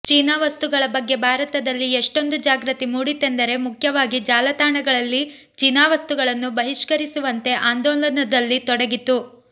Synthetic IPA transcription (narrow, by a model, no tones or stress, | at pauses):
t͡ʃiːnaːʋɐst̪uɡɐɭɐbɐɡːe̞bʱaːɾɐt̪ɐd̪ɐlːieʂʈo̞nd̪ud͡ʒaːɡɾɐt̪imuːɽit̪ːe̞nd̪ɐɾe̞mukʰjɐʋaːɡid͡ʒaːlɐt̪aːɳɐɡɐɭɐlːi | t͡ʃinaːʋɐst̪uɡɐɭɐnːubɐɦiʂkɐɾisuʋɐnt̪e̞ʔaːnd̪ɔːlɐnɐd̪ɐlːit̪ɔɽɐɡit̪ːu